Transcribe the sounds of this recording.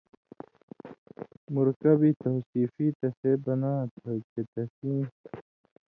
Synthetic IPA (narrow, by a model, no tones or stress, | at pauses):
muɾkɐbit̪ohsiːfit̪ɐsebɐnaːt̪ʰot͡ɕet̪ɐsĩː